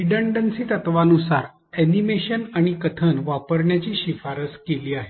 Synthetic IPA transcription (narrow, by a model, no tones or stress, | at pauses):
iɖəɳɖənsiːt̪ət̪ʋanusaɾ | ænimeɕənaɽ̃ikət̪ʰənʋapəɾɳjat͡ɕiːɕifaɾəskeliːaɦe